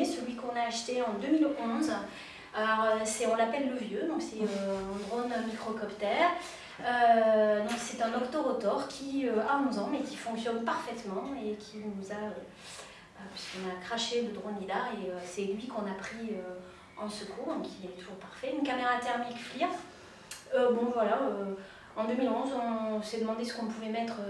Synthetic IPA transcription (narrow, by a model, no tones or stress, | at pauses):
səlɥikɔ̃naːʃt̪eɑ̃d̪ømilɔ̃z | alɔʁøsɛɔ̃lapɛlːəvjød̪ɔ̃ksɛøɛ̃d̪ʁonmikχɔkɔpt̪ɛʁ | ød̪ɔ̃ksɛt̪ɛ̃nɔkt̪oʁɔt̪ɔʁkʲʰiøaɔ̃zɑ̃mɛkʲi̥fɔ̃ŋksjɔnpaʁfɛt̪mɑ̃ekʲʰinuzaø | øpɥi̥skɔ̃nakχaʃeləd̪ʁonid̪aʁeøsɛlɥikɔ̃napχiø | ɑ̃səkʰuʁd̪ɔ̃kilɛt̪uʒuʁpaʁfɛynkameʁat̪ɛʁmikfliʁ | øbɔ̃vwalaø | ɑ̃d̪ømilɔ̃zɔ̃sɛd̪əmɑ̃d̪esə̥kɔ̃puvɛmɛt̪χø